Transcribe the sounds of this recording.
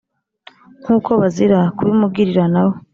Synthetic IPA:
ŋ̥huːkʰo̞βaziɾakuβimubɡiɾiɾanaβo

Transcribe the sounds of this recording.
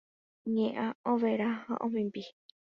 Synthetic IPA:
ɲẽʔãõʋeɾahã̰ʔõmĩmbi

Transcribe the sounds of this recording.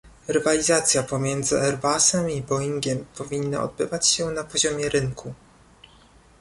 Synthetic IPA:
ɾɘvalʲizat̪sʲjapɔmʲjɛnd̪zɘɛɾbasɛmibɔiŋɡʲɛmpɔvʲinːa̰ɔ̰d̪̚bɘvat͡ɕɕɛnapɔʑɔmʲjɛɾɘŋkʰu

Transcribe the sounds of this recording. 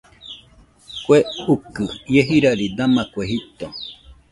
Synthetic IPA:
kweukɨjeɦiɾaɾid̪amakʷeɦit̪o

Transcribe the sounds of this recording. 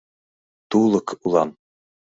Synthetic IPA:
t̪ulˠɤ̆kʰulˠɑn

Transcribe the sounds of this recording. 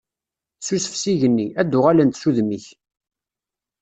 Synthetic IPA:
susəfsiʝənːiæd̪ːʊʁalænt̪suðmiç

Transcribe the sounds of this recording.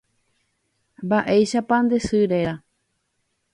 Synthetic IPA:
mbaʔejʃapãnd̪esɨɾe̞ɾa

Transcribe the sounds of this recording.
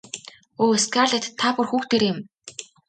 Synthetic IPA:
oːeskarɮĕt̪t̪ʰːaːpʊ̆rxuːxt̪ʰeɾɪ̆m

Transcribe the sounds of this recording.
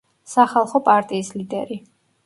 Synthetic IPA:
saχalˠχɔpʼaɾt̪ʼiːslid̪ɛɾi

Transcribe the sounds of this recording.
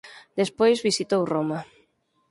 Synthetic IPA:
d̪espojzβisit̪owromɐ

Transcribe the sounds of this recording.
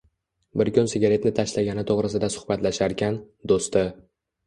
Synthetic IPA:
bɪɾkʊnsɪɡʲaɾet̪nɪt̪ʰaʃlaɡʲanɪt̪ʰoʁɾɪsɪd̪asʊ̥χbat̪laʃaɾkʲan | d̪ost̪ɪ

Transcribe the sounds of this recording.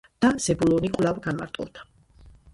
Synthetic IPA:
d̪̥az̥ɛbulɔnikʼlavɡanma̰ɾt̪ʼɔ̰d̪ḁ

